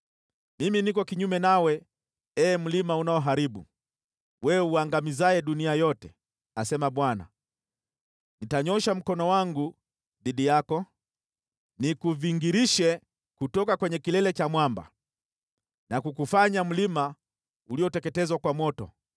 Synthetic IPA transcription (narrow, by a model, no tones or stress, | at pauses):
miminikɔkiɲumɛnawɛ | ɛːm̩limaunaɔɦaɾiɓṵ | wʔɛuaŋɡamizaɛɗuniajɔtɛ | asɛmaɓwana̰ | nitaɲɔʃam̩kɔnɔwaŋɡu | ðiɗijakɔ | nikuviŋɡiɾiʃɛ | kutɔkakwɛɲɛkilɛlɛt͡ʃamwamba̰ | nakukufaɲam̩lima | uliɔtɛkɛtɛzwakwamɔtɔ̰